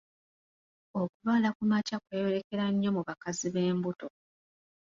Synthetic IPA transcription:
o̞kulwaːlakumacakweːjo̞ɾe̞ke̞ɾaɲːo̞muβakaziβe̞ːmbuto̞

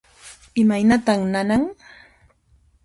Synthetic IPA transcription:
ɪmajnat̪aχnanaŋ

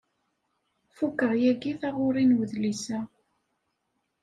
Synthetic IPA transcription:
fukːəɾˤjæɡiθaʁʊɾˤinwəðlisæ

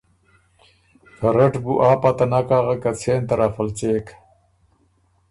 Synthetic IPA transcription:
kɐɾeʈbuʔaːpat̪ɐnakaːɣakat͡sʰeːnt̪ɐɾaːfɐlt͡seːk

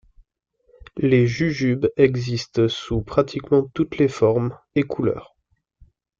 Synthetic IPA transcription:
leʒyʒybɛɡzist̪supχat̪ʰikmɑ̃t̪ut̪lefɔʁm | ekʰulœ̰ːʁ

